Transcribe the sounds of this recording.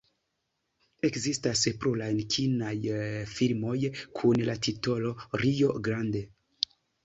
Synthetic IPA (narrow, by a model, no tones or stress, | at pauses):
e̞kzistaspɾulajnkʰinajfilmo̞jkʰunlatito̞lo̞ɾijo̞ɡɾande̞